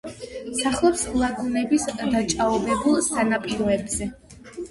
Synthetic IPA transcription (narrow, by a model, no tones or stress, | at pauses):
saχlˠɔpslˠakʰunɛbisd̪at͡ʃʼaɔbɛbulˠsanapʼiɾɔɛbz̥ɛ